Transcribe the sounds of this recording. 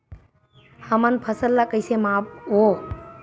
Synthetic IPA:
həmənpʰəsəlːaːkəisemãːpoː

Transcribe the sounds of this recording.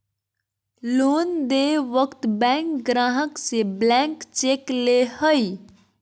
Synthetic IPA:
loːnd̪eʋəkt̪bɛ̃ːŋkɡɾaːɦəkseblɛ̃ŋkt͡ʃeːklehəj

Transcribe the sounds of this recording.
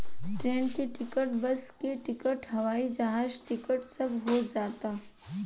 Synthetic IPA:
ʈɾeːnkiʈɪkəʈbɐskiʈɪkəʈɦɐʋaːid͡ʒɐɦaːd͡ʒʈɪkəʈsɐbʱɦod͡ʒaːt̪aː

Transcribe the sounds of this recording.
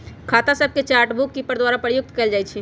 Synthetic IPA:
kʰaːt̪asəb̚ket͡ʃaːɾʈbukːipəɾd̪waːɾapɾjʊk̚t̪kəeld͡ʒaːjt͡ʃʰi

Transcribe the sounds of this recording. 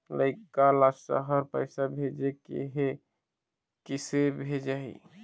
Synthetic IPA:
ləɪkalassə̰ɦəɾpəɪsabʱed͡ʒekḛɦe | kisebʱed͡ʒaḭ

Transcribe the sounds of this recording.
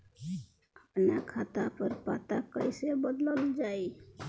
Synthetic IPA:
əpnakʰat̪apəɾpat̪akəjsebəd̪ləld͡ʒaj

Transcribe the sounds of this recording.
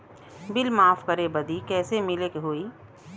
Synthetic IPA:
bɪlmaːfkɐɾebɐd̪ikɛːsemɪlekeɦoːiː

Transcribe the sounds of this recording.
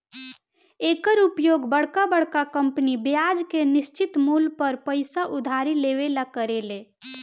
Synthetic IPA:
ekəɾupjoɡbəɽkabəɽ̤kakəmpnibjad͡ʒkenist͡ʃit̪mulpəɾpəɪsaʔud̪ʱaɾileʋelakəɾele

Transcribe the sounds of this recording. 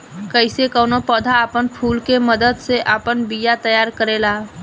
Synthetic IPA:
kəɪsekəwnopəd̪ʱaːpənpʰulkeməd̪əd̪seʔapənbijat̪əjaɾkəɾela

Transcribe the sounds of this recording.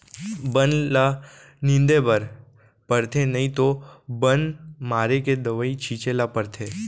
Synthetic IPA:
bənla | nɪ̃nd̪ebəɾ | pəɾt̪ʰenɐĩt̪obənmaːɾeked̪ɐʋəit͡ʃʰiːt͡ʃelapəɾt̪ʰeː

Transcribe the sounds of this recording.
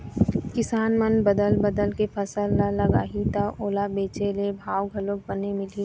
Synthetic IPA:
kɪsaːnmənbəd̪əlbəd̪əlkepʰəsəlːalɐɡa̰ːɦit̪aʔoːlabeːt͡ʃelebʱaːwɡʱɐlok̚bənemɪli

